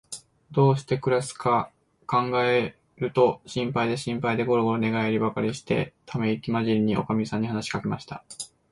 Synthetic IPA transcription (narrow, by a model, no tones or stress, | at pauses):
d̪o̞ːɕi̥t̪e̞kɯ̟ɾasɨ̥ka | kãŋɡae | ɾɯ̟t̪o̞ɕĩmpaid̪e̞ɕĩmpaid̪e̞ɡo̞ɾoɡo̞ɾone̞ɡaiɾʲibakaɾʲiɕi̥t̪e̞̰t̪ʰame̞ikʲimaʑiɾʲiɲ̟iʔo̞̰kamʲisãɲ̟ːihanaɕi̥kake̞maɕi̥t̪a̰